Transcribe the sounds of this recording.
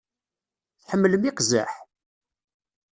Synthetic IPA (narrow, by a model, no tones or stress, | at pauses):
θħəmːləmiqzæ̰ħ